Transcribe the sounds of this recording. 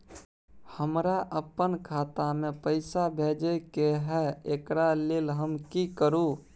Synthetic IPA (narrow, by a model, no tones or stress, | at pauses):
həmɾaʔəpənkʰaːt̪amẽpəɪsabʱeːd͡ʒəkeɦɛekɾaleːlɦəmkikəɾu